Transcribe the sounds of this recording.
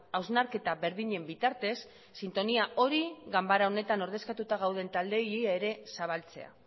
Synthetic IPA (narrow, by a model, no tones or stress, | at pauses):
awznaɾke̞t̪aβe̞ɾðiɲe̞mbit̪aɾt̪e̞sː | int̪o̞niaʔo̞ɾiɣambaɾao̞ne̞t̪ano̞ɾð̞e̞skat̪ut̪aɣ̞awð̞e̞nt̪ald̪e̞jeaeɾe̞saβ̞alt͡se̞a̰